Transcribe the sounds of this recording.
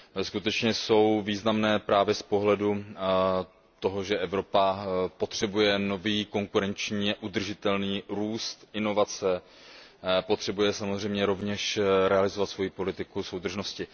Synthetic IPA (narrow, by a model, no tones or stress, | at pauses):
skut̪ɛt͡ʃɲɛso̞wviːznamnɛːpɾaːvjɛspo̞ɦlɛdu | t̪o̞ɦoʒɛʔɛvɾo̞papo̞t̪r̝̥ɛbujɛno̞viːko̞ŋkuɾɛnt͡ʃɲiːaʔud̪r̩ʒɪt̪ɛlniːɾuːst̪ʔɪno̞vat͡sɛ | po̞t̪r̥ɛbujɛsamozr̝ɛjmɲɛɾo̞vɲɛʃɾɛalɪzovat̪svo̞jipo̞lɪt̪ɪkuso̞wd̪r̩ʒno̞scɪ